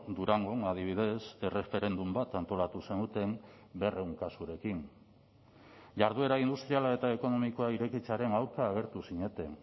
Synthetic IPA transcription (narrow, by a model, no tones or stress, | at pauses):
d̪uɾaŋɡonað̞iβ̞ið̞e̞se̞re̞fe̞ɾe̞nd̪umbat̪ant̪o̞lat̪use̞nut̪e̞m | be̞rʔe̞wŋkasuɾe̞kin | ʝaɾð̞ue̞ɾaind̪ust̪ɾialae̞t̪ae̞ko̞no̞miko̞aiɾe̞kit͡saɾe̞nawɾkaːɣ̞e̞ɾt̪usiɲe̞t̪e̞